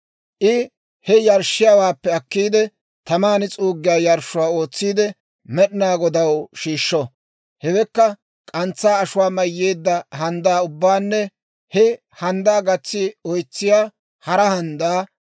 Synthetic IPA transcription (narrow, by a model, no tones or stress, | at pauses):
ʔɪ | hɛjɐɾʃːɪjaːwaːpːɛɐkːiːd̪ɛ | t̪ɐmaːnɪt͡sʼuːɡːɪjaːjɐɾʃʊwaːo̞ːt͡sːiːd̪ɛ | mɛɗɪnaːɡɔd̪ɐwʃiːʃːɔ | hɛwɛkːɐ | kʼɐnt͡sːaːɐʃʊwaːmɐjːe̞ːd̪ːɐhɐnd̪aːʊbːaːnːɛ | hɛ | hɐnd̪aːɡɐt͡sːɪɔjt͡sːɪjaː | hɐɾɐhɐnd̪aː